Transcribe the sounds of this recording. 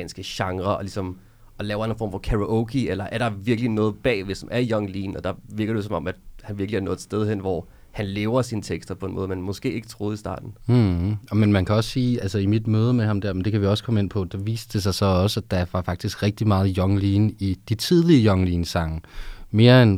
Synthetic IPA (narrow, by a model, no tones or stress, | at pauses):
nsɡ̥əɕɑ̈ŋʁɐʔɒ̽lisɒ̽m | ɒ̽lɛːʊɐnen̩fɒ̰ːmfɒ̽kʰæʁoʔokʰielɐʔæɐɾ̥ɑ̈ʋiɐɡ̥linɔ̽ːð̩ˠb̥ɛ̰ːʋesɒ̽mʔæɐijɒ̽ŋliːnɒ̽d̥ɑ̈ʋiɐɡ̥ɐd̥esɒ̽mɒ̽mæd̥hænʋiɐɡ̥liæɐnɔ̽ːð̩ˠd̥sd̥eð̞ˠhɦen̰ʋɒ̰ | hænleːʊɐsiːnət͡sʰeɡ̥sd̥ɐpʰɒ̽e̝nmɔðˠmænmɔ̽sɡ̥e̝̰ːe̝ɡ̥ət͡sʰʁo̝ːð̞̩ˠisd̥ɑ̰̈ːd̥n̩ɒmenmænkʰæɒ̽ssiːælsəimid̥møːð̞ˠəmehɑ̈md̥æɐmend̥e̝kʰæʋiɒ̽sə̥kʰɒme̝n̰pʰɒ̽d̥ɑ̈ʋḭːsd̥d̥e̝s̬ɑ̈ɪsɒ̽ɒ̽səd̥ɑ̈ʋɑ̈fɑ̈ɡ̥̚d̥isɡ̥ʁɛɡ̥̚d̥imɑ̈ːð̞̩ˠjɒ̽ŋliːnid̥it͡sʰið̞ˠliəjɒ̽ŋliːnsɑ̈ŋəme̝ːɐen